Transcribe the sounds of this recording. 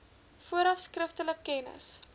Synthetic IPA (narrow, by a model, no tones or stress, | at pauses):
fuəɾɐfskrəftələkːɛnə̰s